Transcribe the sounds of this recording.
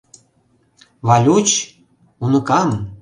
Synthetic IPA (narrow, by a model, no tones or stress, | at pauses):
vɑlʲut͡ɕ | unɤ̆kɑm